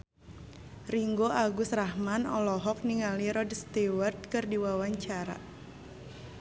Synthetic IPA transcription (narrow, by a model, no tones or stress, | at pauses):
riŋɡoʔaɡusrahmanɔlɔɦɔk̚niŋaliɾɔdst̪iward̪̚kɨrdiwawaɲt͡ʃaɾa̰